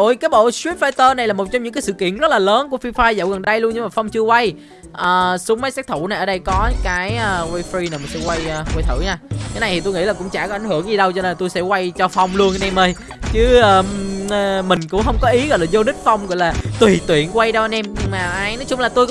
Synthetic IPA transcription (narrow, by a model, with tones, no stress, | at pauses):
o˧˩jkaː˨˦jɓo̰˧˨swi˦˥p̚faː˧jt̪əː˧na˨˩jlaː˨˩mo˨˩t̚t͡ɕɔ˧ŋ͡mɲɨ̰˧˥ŋkːaː˨˦sɨ̰˧˨kḭ˧˨ənzə˦˥t̚laː˨˩ləː˨˦nku˧˩əfi˧faː˧jzə̰˧˨˩wɣə˨˩nɗə˧jlu˧ənɲɨ˧ŋmaː˨˩fɔ˧wŋ͡mt͡ɕɨ˧əkwa˧j | ʔəː˨˩su˨˦ŋ͡mmə˨˦saː˦˥k̚t̪ʰu˧˩na˨˩jʔəː˧˩ɗə˧jkɔ˨˦kaː˨˦jʔəː˧˩wa˧jfɾi˧naː˨˩maː˨˩nsɛ̰˧˥wa˧jːwa˧jt̪ʰɨ̰˧˩ɲaː˧t̪a˨˦na˨˩jt̪i˨˩u˧jŋḭ˧˥laː˨˩kʊ̰˧˥ŋ͡mt͡ɕa̰ː˧˩kɔ˨˦ʔjŋhɨ˧˩əŋɲi˨˩ɗə˧wt͡ɕɔ˧ne˧nt̪u˧jsɛ̰˧˥kwa˧jt͡ɕɔ˧fɔ˧wŋ͡mlu˧ən˧nɛ˧mʔəː˧j | t͡ɕɨ˨˦ʔəː˧ | mï˨˩ŋ̟kʊ̰˧˥ŋ͡mɦə˧wŋ͡mkɔ˨˦ʔi˨˦ɣɔ̰˧˨jlaː˨˩zo˧nï˦˥k̚fa˧wŋ͡mɣɔ̰˧˨jlaː˨˩t̪wi˨˩t̪wḭ˧˨ənkwa˧jɗə˧wnɛ˧mɲɨ˧ŋmaː˨˩ʔaː˧jnɔ˨˦jt͡ɕʊ˨˦ŋ͡mlaː˨˩t̪u˧jk